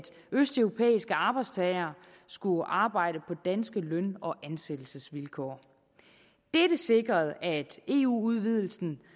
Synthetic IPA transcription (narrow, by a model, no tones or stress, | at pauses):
d̥ | øsd̥œʊʁo̝pʰḛːisɡ̥əɑ̈ːb̥ɑ̈ɪ̥st͡sʰɛɪɐ | sɡ̥uʔɑ̈ːb̥ɑ̈ɪ̰ɾəpʰɒ̽d̥ænsɡ̥əlœnɒ̽ʔænsed̥l̩səsʋilkʰɒ̰ː | d̥eɾəse̝ɡ̥ʁɐð̞̩ˠæd̥e̝ːṵːuð̞ˠʋið̞ˠl̩sn̩